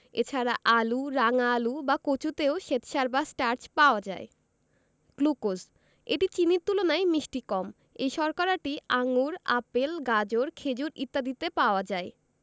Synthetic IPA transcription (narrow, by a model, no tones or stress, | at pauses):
et͡ɕʰaɾaʔaluɾaŋalubakot͡ɕut̪eoʃet̪ʃaɾbasʈaɾt͡ɕpaoad͡ʑa̰e | klukoz | eʈit͡ɕiniɾt̪ulonajmiʃʈikɔm | ejʃɔɾkaɾaʈiaŋuɾapelɡad͡ʑoɾkʰed͡ʑuɾḭt̪ːad̪it̪epaoad͡ʑae